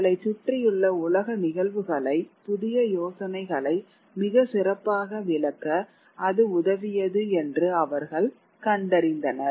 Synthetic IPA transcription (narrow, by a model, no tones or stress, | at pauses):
ɐlɐɪt͡ʃːʊʈrɪjɯɭːɐʊlɐɣɐnɪɣɐɭʋɯɣɐɭɐɪpʊðɪjɐjoːsɐnɐɪɣɐɭɐɪ | mɪɣɐsɪrɐpːaːɣɐʋɪlɐkːɐː | ðɯʊðɐʋɪjɐðɯɛndrɯɐʋɐɾɣɐɭ | kɐɳɖɐɾɪnd̪ɐnɐɾ